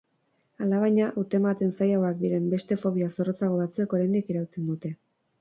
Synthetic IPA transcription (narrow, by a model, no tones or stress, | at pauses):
alaβ̞ajɲaʔawt̪e̞mat̪e̞nsajawak̚d̪iɾe̞mbe̞st̪e̞fo̞β̞iaso̞ro̞t͡saɣ̞o̞βat͡sue̞ko̞ɾajnd̪ikiɾawut͡se̞nd̪ut̪e̞